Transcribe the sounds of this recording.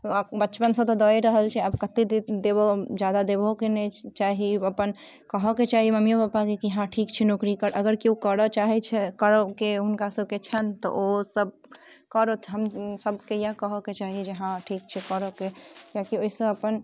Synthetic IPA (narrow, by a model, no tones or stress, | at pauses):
bəːt͡ʃpənsə̃b̚t̪ɔd̪ɔjɾəɦəlt͡ʃʰɛabkət̪ed̪ebod͡ʒjad̪ad̪ebokenɛt͡ʃaɦiəpən | kəɦɔket͡ʃaɦiməmjopapakekiɦãʈʰikt͡ʃʰinokɾikəɾəɡəɾkiukəɾɔt͡ʃaɦɛt͡ʃʰɛkəɾɔkeunkasəb̚ʱket͡ʃʰənt̪ɔ̰ʔosəb̚ | kəɾot̪ʰɦəmsəbʱkejakəɦɔket͡ʃaɦid͡ʒeɦãʈʰikt͡ʃʰɛkəɾɔkekãkioisə̃əpən